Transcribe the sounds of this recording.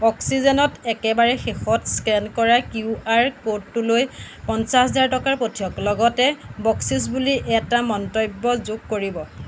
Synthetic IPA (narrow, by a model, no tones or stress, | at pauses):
ɔksizɔnɔtɛkɛbaɹɛxexɔtskɛnkɔɹakuaɹkodːuloj | pɔnsaɛzaɹtɔkaɹpotʰijɔklɔɡɔtɛbɔksis̬buliʔɛtamɔntɔjbːɔzuɡ̚koɹibɔ